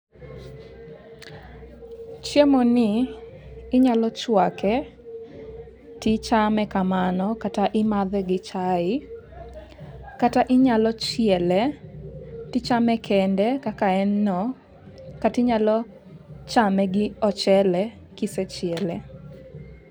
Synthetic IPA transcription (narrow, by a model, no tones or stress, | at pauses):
t͡ʃjemonɪː | ɲalɔt͡ʃwakɛ | tɪt͡ʃamɛkamanɔkataʔɪmaðɛɡɪt͡ʃaɪ | kataʔɪɲalɔt͡ʃɪɛlɛ | tɪt͡ʃamɛkʰɛndɛkakaɛnːɔ | katɪɲalɔ | t͡ʃamɛɡɪɔt͡ʃɛlɛ | kisɛt͡ʃjɛlɛ